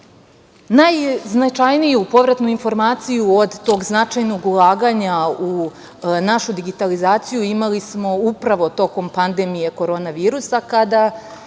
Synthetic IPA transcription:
najznat͡ʃajnijupo̞ʋɾat̪nuinfo̞ɾmaːt̪sijuod̪t̪o̞ːɡznat͡ʃajno̞ɡulˠaːɡaɲau | naʃud̪iɡit̪alizaːt̪sijuimalismo̞upɾaʋo̞t̪o̞ko̞mpand̪e̞mije̞ko̞ɾo̞ːnaʋiːɾusakad̪a

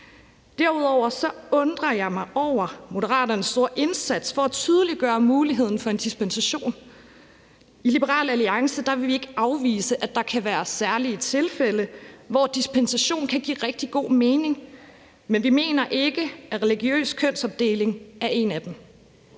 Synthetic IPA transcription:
d̥æɐ̰uð̞̰ˠɒʊ̰ɐsɒ̽ɔ̽nd̥ʁɐjɑ̈ɪmɑ̈ɪʔɒʊ̰ɐmo̝dəʁɑ̰̈ːdɐnsːd̥o̝ɐ̰ʔe̝nsæd̥sfɒ̽æt͡sʰyːð̞ˠəliɡ̥ɶːɐmuːliɦe̝ð̞̰ˠn̩fɒ̽e̝nd̥isb̥ensæɕo̝̰ːn | ilib̥əʁɑ̰̈ːlæliɑ̈ŋsəd̥ɑ̈ʋe̝ʋie̝ɡ̥əɑ̈ʊʋḭːsəʔæd̥ɑ̈kʰæʋæːɐsæɐlit͡sʰe̝lfeləʋɒd̥isb̥ʰensæɕo̝̰ːnkʰæɡ̥ḭːʁɛɡ̥̚d̥iɡ̥o̝̰ːme̝ːne̝ŋ | menʋime̝̰ːnɐʔe̝ɡ̥əæʁɛliɡ̥jø̰ːskʰøn̰sɒ̽b̥̚d̥e̝̰ːle̝ŋæɐʔe̝næd̥em

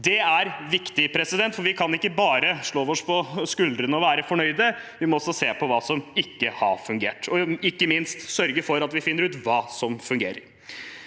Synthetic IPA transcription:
d̪ɛæɾʋɪkt̪ɪpʰɾɛsɪd̪ɛnt̪fɔɾʋɪkʰɑnɪkːəbɑːɾəʂɭoːʋɔʂpʰɔskʉld̪ɾənəɔʋæːɾəfɔɳœʏd̪əʋɪmɔɔsɔseːpʰɔʋɑːsɔmɪkːəhɑ̰ɾfʉŋɡḛːʈɔɪkːəmɪnst̪sœɾɡəfɔɾɑt̪ʋɪfɪnːəɾʉːt̪ʋɑːsɔmfʉŋɡḛːɾə̰ɾ

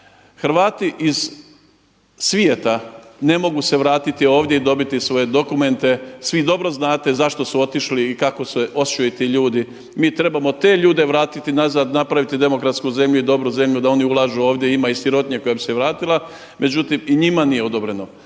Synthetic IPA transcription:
xɾʋaːt̪iʔiz̥ | sʋie̞t̪ane̞mo̞ɡuseʋɾaːt̪it̪io̞ːʋd̪je̞id̪o̞bit̪isʋo̞je̞d̪o̞kume̞nt̪e̞sʋid̪o̞bɾo̞znaːt̪e̞zaʃt̪o̞suo̞t̪iʃliːkako̞seʔo̞st͡ʃojit̪iʎuːd̪i | miːt̪ɾe̞bamo̞t̪e̞ːʎuːd̪e̞ʋɾaːt̪it̪inazaːd̪napɾaʋit̪id̪e̞mo̞kɾat̪skuze̞mʎuid̪o̞bɾuze̞mʎud̪ao̞niulˠaʒuoːʋd̪ʲje̞imaisiɾo̞t̪ɲe̞ko̞jabiseʋɾaːt̪ilˠa | mʔe̞d͡ʒut̪imiɲimanijeo̞d̪o̞bɾe̞no

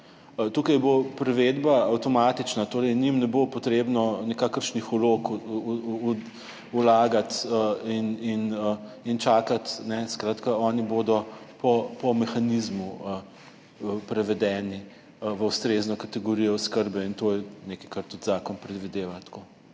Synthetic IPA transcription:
t̪ukajbopɾɛʋed̪baawt̪ɔmaːt̪it͡ʃnat̪oːɾɛjnimnɛbopɔt̪ɾebnɔnikakəɾʃnixulok | ulaːɡat̪əininəint͡ʃaːkat̪nɛskɾaːt̪kaɔːniboːd̪ɔpɔpɔmɛxanizmuə | pɾɛʋɛd̪ɛːni | ʋəust̪ɾeznɔkat̪ɛɡoɾijɔuskəɾbɛint̪oːjɛnekɐjkaɾt̪ut̪zaːkɔnpɾɛd̪ʋid̪eːʋat̪ko

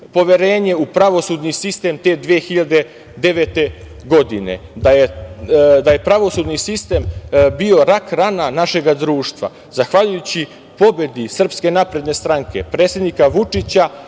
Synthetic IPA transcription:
po̞ʋe̞ɾe̞ːɲe̞upɾaʋo̞sud̪nisist̪e̞mt̪e̞d̪ʋeexiʎad̪e̞ | d̪e̞ʋe̞t̪e̞ | ɡo̞d̪ine̞̰d̪aje | d̪aje̞pɾaʋo̞sud̪nisist̪e̞mbio̞ɾakɾananaʃe̞ɡad̪ɾuːʃt̪ʋa̰ | zaxʋaʎujut͡ɕi | po̞be̞d̪isr̩pske̞napɾe̞d̪ne̞st̪ɾaŋke̞̰pɾe̞ːt̪se̞d̪nikaʋut͡ʂit͡ɕa

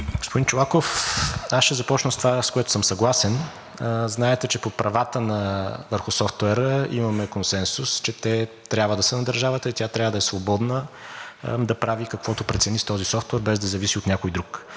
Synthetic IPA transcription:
ɡospʊd̪int͡ʃʊlˠakofasʃɛzɐpɔt͡ʃnəst̪ovaskoɛt̪ʊ̥səmsɐɡlˠasɛn | znaɛt̪ɛt͡ʃɛpopɾɐvat̪ənɐvəɾxʊsɔft̪ʊɛɾəḭmɐmɛkonsɛnsust͡ʃɛt̪ɛt̪ɾʲabvəd̪ɐsənɐd̪əɾʒavət̪əit̪ʲjat̪ɾʲavəd̪ɐɛsvobɔd̪nə | d̪ɐpɾavikɐkvɔt̪ʊpɾɛt̪sɛnist̪ɔzisɔft̪wɛɾbɛzd̪ɐzɐvisiot̪nʲakojd̪ɾuk

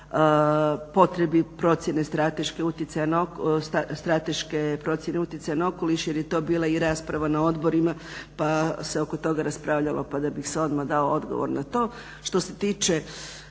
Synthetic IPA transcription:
po̞t̪ɾe̞bipɾo̞t̪sjene̞st̪ɾat̪e̞ʃke̞ut̪jet̪sajanaoksst̪ɾat̪e̞ʃkepɾo̞t̪sje̞ne̞ut̪ʲjet̪sajanao̞ko̞liʃje̞ɾjet̪o̞ːbiːlˠaiɾaːspɾaʋanao̞d̪bo̞ɾimapaseo̞ko̞t̪o̞ɡaɾaspɾaːʋʎalo̞̰pad̪abixseo̞d̪mad̪aood̪ɡo̰ʋo̰ɾnat̪o̞ː | ʃt̪o̞se̞t̪iːt͡ʃe

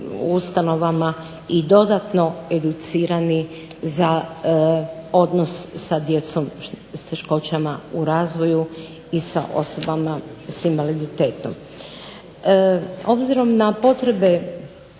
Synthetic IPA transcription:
ust̪ano̞ʋama | id̪o̞d̪at̪no̞e̞d̪ut̪siːɾani | za | o̞d̪nosːad̪jet̪som | st̪e̞ʃko̞t͡ɕamauɾaːzʋo̞ju | isa̰ʔo̞so̞bamasinʋalid̪it̪e̞ːt̪no̰m | o̞bziɾo̞mnapo̞t̪ɾe̞be̞

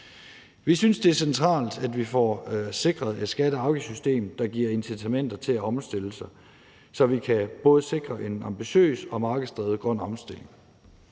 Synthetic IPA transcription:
ʋisynsd̥e̝æɐsent͡sʰʁɑ̰̈ːld̥ædʋifɒ̰ːse̝ɡ̥ʁɐð̞̩ˠe̝d̥sɡ̥æɾəɑ̈ʊɡ̥əsysd̥e̝̰ːmd̥ɑ̈ɡ̥iɐ̰e̝nsit͡sʰæmen̰d̥ɐt͡sʰe̝læɒ̽msd̥e̝l̰əsɑ̈ɪ | sɒ̽ʋikʰæb̥ɔ̽ːð̞̩ˠəse̝ɡ̥ʁɐʔe̝nɑ̈mb̥iɕø̰ːsɒ̽mɑ̈ːɡ̥əð̩ˠsd̥ʁɛːð̞̩ˠɡ̥ʁɶn̰ɒ̽msd̥e̝le̝ŋ

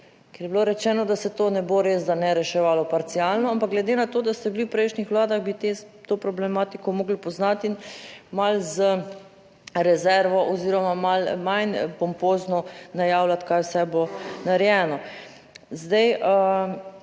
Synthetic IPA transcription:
kɛɾjɛbloɾɛt͡ʃɛːnɔd̪asɛt̪oːnɛboɾezd̪anɛɾɛʃɛʋaːlɔpaɾt̪sialnɔampaɡlɛd̪enat̪oːd̪ast̪ɛbliwpɾɛjʃnixʋlaːd̪aɣbit̪et̪opɾɔblɛmaːt̪ikɔmoːɡlpɔznat̪inmalzə | ɾɛzɛɾʋɔʔɔziːɾɔmamalmajnpɔmpoːznɔnajawlat̪kajwsɛbonaɾjɛːnɔ | zd̪ɛjə

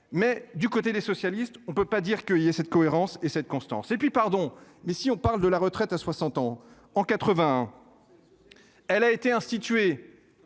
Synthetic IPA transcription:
mɛd̪ykot̪ed̪esɔsjalist̪ɔ̃pøpad̪iʁkəiljasɛt̪̚kɔeʁɑ̃sesɛt̪̚kɔ̃st̪ɑ̰̃sepɥipaʁd̪ɔ̃mɛsiɔ̃paʁld̪əlaʁət̪χɛt̪aswasɑ̃t̪ɑ̃ | ɑ̃kat̪χəvɛ̃ɛ̃ | ɛlaet̪eɛ̃st̪it̪ɥe

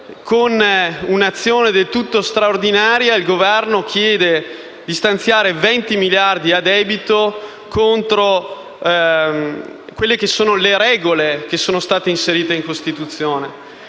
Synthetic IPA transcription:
kʰonunat̪sːjoːned̪elt̪ut̪ːost̪ɾaord̪inaːɾjailɡovɛrnokʰjɛːd̪e | d̪ist̪ant̪sjaːɾevɛnt̪imiljard̪iad̪ɛːbit̪o | kont̪ɾo | kwelːekesːoːnoleɾɛːɡolekesːoːnost̪aːt̪einseɾiːt̪eiŋkost̪it̪ut̪sːjoːne

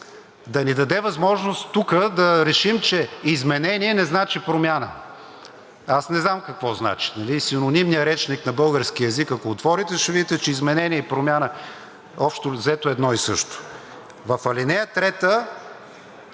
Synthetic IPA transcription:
d̪ɐnid̪ɐd̪ɛvɐzmɔʒnostt̪ːukəd̪ɐɾɛʃimt͡ʃɛizmɛnɛniɛnɛznat͡ʃipɾomʲjanə̰ | asnɛznamkɐkvɔzna̰t͡ʃi̥nɐlisinonimnijəɾɛt͡ʃniknɐbɤlˠɡəɾskiəɛzikɐkoːt̪vɔɾit̪ɛʃɛvid̪it̪ɛt͡ʃɛizmɛnɛniɛipɾomʲjanə | ɔpʃt̪ozɛt̪oɛd̪nɔisɤʃt̪o̥ | vɐfɐlinɛjət̪ɾɛt̪ə

